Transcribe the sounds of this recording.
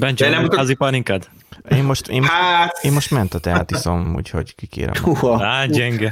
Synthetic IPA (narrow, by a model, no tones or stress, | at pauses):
bɛnt͡ʃɛɛnɛmut̪ːzipɒɾiŋkɛd̪ | eːmoʃt̪eːmaeːmmo̞ʃt̪mɛnt̪ɒt̪ɛa̰t̪isomṵːcho̞̰ɟkikḛːɾɛ̰maːɟɛŋɡɛ